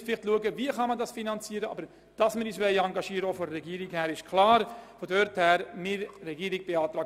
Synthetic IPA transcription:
fɪlɪχtluəɡəviəχɑmɑndɑsfinɑnt͡siːəɾəɑ̰ːbəɾ | d̥ɑsməɾːsʋɛlɑŋɡɑʃiːəɾəofɔdərɛɡiːɾɪkhæːɾɪʃkʰlɑːɾfodœɾthɛːɾmɪrɛɡiːɾɪɡ̚b̥eɑːt̪ɾɑːɡ

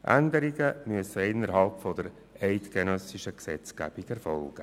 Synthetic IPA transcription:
ʔæ̰nd̪əɾiɡəmyəsəɪnːəɾɦɑlpfɔd̪əɾ | ɛɪtkenœsiʃəksɛt͡sɡ̥æ̰ːb̥iɡɛɾfɔlɡ̥ə

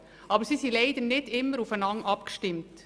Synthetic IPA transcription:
ʔɑbəɾsiːsilɛɪd̪ənɪd̥ɪmːəɾufənɑŋɑpkʃtɪmt

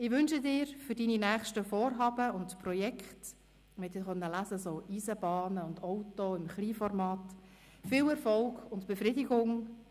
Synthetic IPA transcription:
ɪʋʏnʃədɪːɾfʏɾdininæːχʃtəfoːɾɦɑːbəʊntpɾɔjɛkχt | mɛtdɪːχœnːəlæzəsoːʔiːzəbɑːnəʊndɔwtoɪmχliːfɔrmɑːt | fɪlɛɾfɔlɡʊntb̥efɾɪdɪɡʊŋ

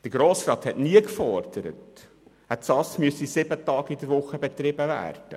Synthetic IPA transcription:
d̥əɾɡɾɔːsrɑːt̪hɛtniəkfɔrd̪̥əɾə̰t | hætsɑsmyəsisɪbətɑːɡidəɾʋʊχəb̥ɛt̪ɾɪbəvæ̰ːrd̥ə̰

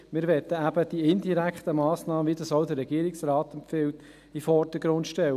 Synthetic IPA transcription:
mɪːɾʋɛt̪ːəæb̥əd̥iɪndiɾækχt̪əmɑːsnɑːməʋiːd̪ɑsɔʊd̪əɾːɛɡ̥iəɾɪksɾɑːt̪ɛmpfɪwt | ifɔɾdəɡɾʊnt̪ʃtɛl

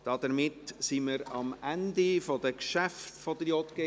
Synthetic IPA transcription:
d̥ɑd̥̪əɾmɪtsiməɾɑmændifɔd̥əkʃæftfɔd̪ɾjot̪ɡ̥e

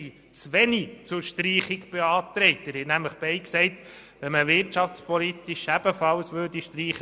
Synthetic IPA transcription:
t͡sʋɛnit͡sʊɾʃtriːχikb̥eɑːt̪ɾɛɪtæɾhɛtnæmləχb̥ɛɪksɛɪt | ʋɛməʋɪɾt͡ʃɑft͡spʰɔlit̪iʃæb̥əfɑlsʋøːɾdiʃtriːχə

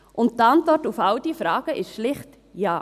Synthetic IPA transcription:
ʔʊnt̚tantvɔrtufald̥iːfɾɑːɡ̥əʔɪʃʃlɪχt | jaː

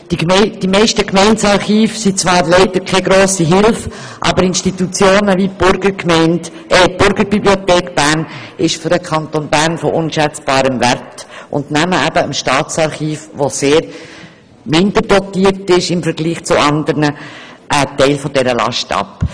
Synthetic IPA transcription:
d̥imd̥imɛɪʃtəkmɛɪnsɑɾχiːfsit͡sʋɑːɾlɛɪdəɾkʰɛɡɾoːsiɦɪlf | ʔɑ̰bəɾɪnʃtit̪ut͡sjoːnəvib̥ʊɾɡəɾkmɛɪnt | ʔɛb̥ʊɾɡəɾbibliot̪ɛːkb̥æɾn | ɪʃføɾəkʰɑntonbæɾnfɔʔʊnʃæt͡sb̥ɑːɾəmværtʔʊ̰ndnæməæbəəmʃtɑːt͡sɑɾχiːfʋoseːɾ | mɪndəɾd̥ɔtiːəɾtɪʃɪmfəɾɡliːχt͡sʊɑndəɾnəʔətɛɪlfɔd̥ɛɾəlɑ̰ʃtɑ̰p

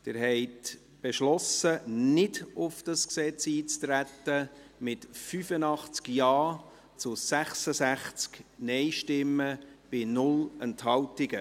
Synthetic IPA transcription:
d̥ɪːɾɦɛɪt | b̥ɛʃlɔsənɪdʊfd̥ɑsksɛt͡siːt͡stɾætːəmɪtfyfənɑχt͡skjɑː | t͡sʊsæχsəsæχt͡sknɛɪʃtɪmːəb̥ɪnʊlənthɑwtɪɡ̥ə

